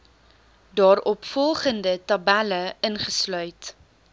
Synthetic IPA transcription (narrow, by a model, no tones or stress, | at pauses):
dɑːɾɔpfɔlˠχəndətɐbæləənχəslœɥt